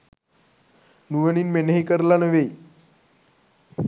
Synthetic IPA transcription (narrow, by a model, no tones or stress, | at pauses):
nuʋəniːnmenəɦikəɾlanəʋe